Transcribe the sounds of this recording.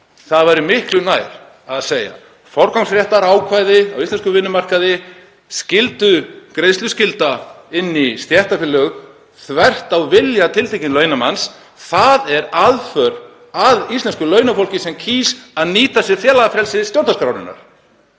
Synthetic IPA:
θaðvajɾɪmɪhklʏnaːjɾ̥ | aðseːja̰ | fɔɾkawŋsfɾjɛht̪aɾaːwkʰvaːjðɪawisɛnskʏvɪnːʏmar̥kaðɪ | scɪlt̪ʏkɾejst̪lʏscɪlt̪a | ɪnːist̪jɛht̪afɪlːœɣ | θvɛr̥t̪awvɪljat̪ʰɪlt̪ʰejcɪnlœːɥnama̰ns | θaðɛɾaðfœɾ | aðist̪ɛnskʏlœːɥnafowl̥cɪsɛmcʰiːsaðniːt̪asjɛɾ̥fjɛːlaɣafɾɛlsɪst̪jow̪naskɾawnɪ̰nːa̰ɾ̥

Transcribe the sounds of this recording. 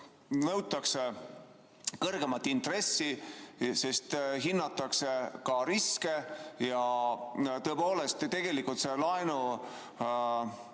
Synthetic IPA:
nɤwt̪ːˑɑkse | kɤrɡ̥e̞mɑt̪ːˑint̪re̞sːise̞st̪ɦinːɑt̪ːˑɑksekɑɾiske̞jɑ | t̪ɤepo̞ːle̞st̪t̪e̞ɡ̥e̞likːult̪se̞lɑenu

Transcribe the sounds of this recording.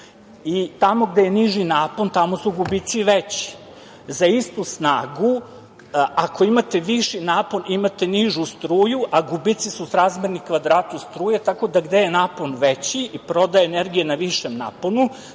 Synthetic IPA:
it̪amo̞ɡd̪ejeniʒinapo̞nt̪amo̞suɡubit̪siʋet͡ɕi̥ | zaist̪usnaːɡu | ako̞imat̪eʋiʃinaːponimat̪eniʒust̪ɾuːjuʔaɡubit̪sisusɾazmʲeɾnikʋad̪ɾaːt̪ust̪ɾuːjet̪ako̞d̪aɡd̪e̞jenaːponʋet͡ɕiipɾo̞d̪ajeːneɾɡijenaʋiʃemna̰ːponu

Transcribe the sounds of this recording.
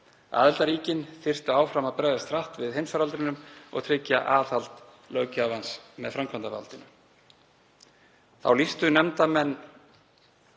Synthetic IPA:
a̰ːðɪlt̪aɾiːcɪnθɪr̥t̪aaːwfɾamapɾɛːɣðast̪ɾaht̪vɪðhejmsfaɾalt̪ɾɪnʏmɔ̰ɣt̪ʰɾɪcːa̰ʔaːθal̥t̪ | lœɥcavansmɛðfɾamkʰant̪ava̰lt̪ɪnʏ | θa̰wlist̪ʏnɛmt̪amɛnː

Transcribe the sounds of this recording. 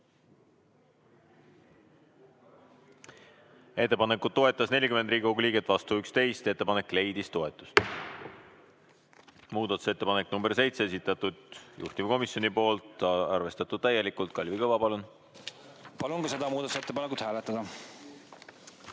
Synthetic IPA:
e̞t̪ːe̞pɑne̞kut̪̚ːo̞e̞t̪ːˑɑsne̞lʲikymend̪riːɡʲiko̞ɡuliːɡ̥et̪ːˑvɑst̪uykst̪e̞jst̪e̞t̪ːe̞pɑne̞kːˑle̞jd̪ist̪o̞e̞t̪ːˑu̥st̪ | muːd̪̥ɑt̪u̥se̞t̪ːe̞pɑnekːˑnumberse̞jt̪sees̬it̪ːˑɑt̪ud̪̥jṵht̪imko̞misjo̞nipo̞ːlt̪ˑɑ̰rve̞st̪ɑt̪ːˑud̪̥̚t̪æje̞likult̪̚kɑlʲvikɤvɑpɑlun | pɑlunkɑse̞d̪ɑmuːd̪ɑt̪uset̪ːepɑnekut̪hæːlet̪ːˑɑd̪̥ɑ

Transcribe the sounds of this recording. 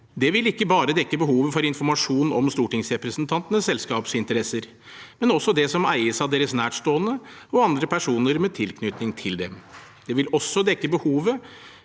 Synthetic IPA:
d̪ɛʋɪlɪkːəbɑːɾəd̪ɛkːəbəhuːʋəfɔɾɪnfɔɾmɑʂuːn̩ɔmst̪uːʈɪŋsɾɛpɾəsnt̪ʰɑnt̪ənəsːɛlskɑːpsɪnt̪əɾɛsːəɾ | mɛnɔsːɔd̪ɛsɔmæɪəsɑd̪eːɾəsnæːʈʂt̪oːənəɔɑnd̪ɾəpʰæʂuːnəɾmɛt̪ʰɪlkʰnʏt̪nɪŋt̪ʰɪld̪ɛm | d̪̥ɛʋɪlɔsːɔd̪ɛkːəbəhuːʋə

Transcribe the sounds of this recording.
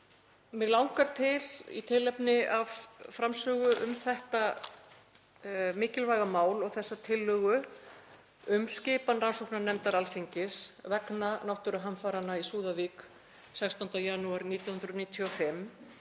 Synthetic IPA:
mɛɣlawŋkaɾ̥t̪ʰɪlḭt̪ʰɪlːɛpnɪav̥fɾamsœːɣʏʔʏmθɛht̪a | mɪːhcɪlvajɣamaːwlɔɣθɛsːat̪ʰɪlːœːɣʏ | ʏmscɪːpanransowknanɛmt̪aɾalfiɲcɪsvɛknanɔwht̪ʏɾʏɦanfaːɾanːaisuːðavik | sɛkst̪ɔwnt̪ajanuaɾniːt̪jahʏnɾʏniːt̪ʰjɔfɪm

